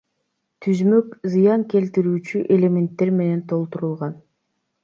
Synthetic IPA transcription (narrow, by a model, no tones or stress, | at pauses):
t̪ʰyzmø̞kzɨjɑŋke̞lt̪iɾyːt͡ʃyʔe̞lʲe̞mʲe̞nt̪ːe̞ɾme̞ne̞nt̪ʰo̞lˠt̪uɾulˠʁɑn